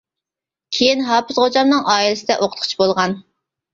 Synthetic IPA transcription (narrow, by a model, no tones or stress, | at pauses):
kʲʰejinɦɑːpʰɨzχod͡ʒɑmnɨŋʔɑːilɪsɪd̪ɛʔoqʰə̥t̪qʰʊ̥t͡ʃʰbolˠʁɑn